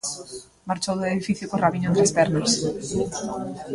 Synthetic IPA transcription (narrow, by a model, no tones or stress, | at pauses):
maɾt͡ʃowðeðifiθjʊkoraβiɲoẽnt̪ɾespɛɾnos